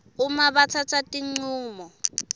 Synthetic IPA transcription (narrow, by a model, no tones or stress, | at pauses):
umaβatʰatʰatʼiŋ͡ǀuːmɔ